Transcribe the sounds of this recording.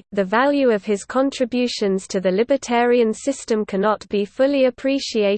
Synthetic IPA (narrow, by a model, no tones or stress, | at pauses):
ðəvaljʉəv̥ɪz̥kʰɒ̃ntʰɹ̥ɪbjʉˑʃə̃nz̥tʰəðəlɪbətʰɛːɹiə̃nsɪstə̃mkʰanɒʔb̥ifʊliəpʰɹ̥iˑʃieɪ